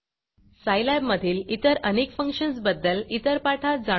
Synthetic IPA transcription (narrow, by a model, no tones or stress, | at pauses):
sajlabməd̪ʱiːlit̪əɾənekfəŋkɕəns̬bəd̪ːəlit̪əɾpaʈʰat̚d͡za